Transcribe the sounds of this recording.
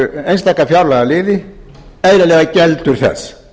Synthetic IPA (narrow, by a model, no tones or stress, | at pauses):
ejnst̪aːkːafjawɾlaɣalɪːðɪ | eːjɾalɛːɣacɛlt̪ʏɾ̥θɛ̰sː